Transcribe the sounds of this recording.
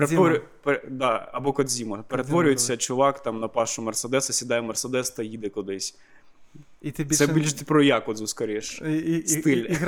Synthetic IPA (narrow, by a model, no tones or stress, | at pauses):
peɾetʋɔɾʊ | ped̪ɑɐbɔkɔd̪ʲzʲimɐpeɾet̪ʋɔɾʲʊjɪt͡sʲːɐt͡ʃʊʋɑkt̪ɑmnɐpɑʃʊmɐrsed̪ɛsɐsʲid̪ɑjɛmɐrsɛd̪ɛst̪ɐjid̪ɛkʊd̪ɪsʲ | t̪bʲsɛbilʲʃt̪ɪpɾɔjɑkʊɔd̪zʊskɐɾʲiʃst̪ɪlʲ